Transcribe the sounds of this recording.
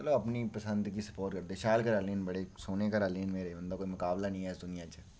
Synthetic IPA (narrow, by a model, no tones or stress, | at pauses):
əloɐpniːpəsə̃nd̪kiːsə̥poːɾʈkəɾd̪eːʃaːlkəɾəliːnbəɽesoːneːkəɾaːliːnmeːɾebənd̪aːkoːimʊkaːblanĩːɦɛːsd̪ʊnɪjãːt͡ʃ